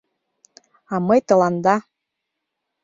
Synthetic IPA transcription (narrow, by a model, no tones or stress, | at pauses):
ɑmɤjt̪ɤ̆lˠɑnd̪ɑ